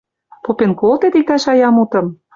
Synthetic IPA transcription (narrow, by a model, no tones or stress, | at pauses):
popenkolt̪et̪ik̚t̪ɑʃɑjɑmut̪ɤ̆m